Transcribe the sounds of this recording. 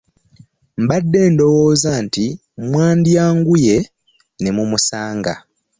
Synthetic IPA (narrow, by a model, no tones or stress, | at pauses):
m̩badːe̞ːndo̞woːzanti | mwaːndjaːŋɡuje̞ | nemumusaːŋɡa̰